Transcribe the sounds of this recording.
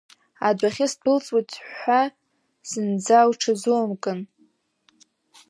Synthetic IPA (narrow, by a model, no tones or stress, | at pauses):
adʷaχʲɪspʰɨlt͡sʼwatʰʼːa | zɨnd͡zawʈ͡ʂʰazuamkʼɨn